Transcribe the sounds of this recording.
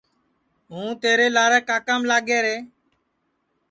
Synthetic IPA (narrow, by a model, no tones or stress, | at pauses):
ɦũːt̪eːɾeːlaːɾəːkaːkaːmlaːɠeːɾeː